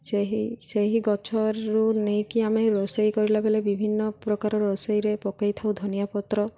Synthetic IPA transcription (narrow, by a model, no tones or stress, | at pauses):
seɦiseɦiɡɔt͡ʃʰɔɾunejkiameɾɔsɔjkɔɾilabelebibʱinːɔpɾɔkaɾɔɾɔsɔjɾepɔkajt̪ʰawd̪ʱɔnijapɔt̪ɾɔ